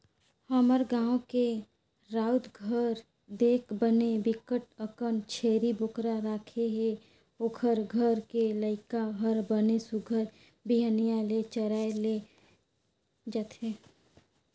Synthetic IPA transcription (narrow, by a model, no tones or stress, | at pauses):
həməɾɡãːõke | ɾaːʊd̪ɡʱəɾ | d̪eːkʰbənebɪkəʈəkənt͡ʃʰeːɾibʊkɾaɾaːkʰeɦe | oːkʰəɾɡʱəɾkeləɪkaɦəɾbənesʊɡʱəɾ | biɦənijalet͡ʃəɾaːele | d͡ʒat̪ɦeː